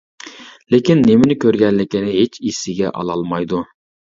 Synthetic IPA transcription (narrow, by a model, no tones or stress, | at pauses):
lekʲinːemɪnɪkʲøɾɡʲɛnlɪkʲinɪɦet͡ʃisɪɡʲɛ̰ʔɑ̰lˠɑlˠmɑjd̪u